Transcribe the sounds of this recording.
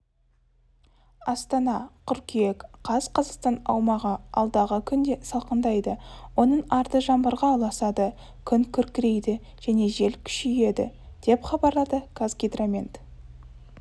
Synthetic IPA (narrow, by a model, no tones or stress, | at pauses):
ɑst̪ɑnɑqʰʏɾkʲijekqʰɑzqʰɑzɑqst̪ɑnɑ̰wmɑʁəɑ̰lˠd̪ɑʁəkʲʰʏnd̪e̞sɑlˠqənd̪ɑjd̪əwo̞nəɴɑɾt̪əʒɑmbəɾʁɑlˠɑsɑd̪ə | kʲʰʏŋkʲʰʏɾkʲɪɾe̞jd̪ɪ | ʒ̥æne̞ʒe̞lkʲʰʏ̥ʃɪje̞d̪ɪ̰ | d̪̥e̞pχɑbɑɾlˠɑd̪əkʰazɡʲed̪ramʲent̪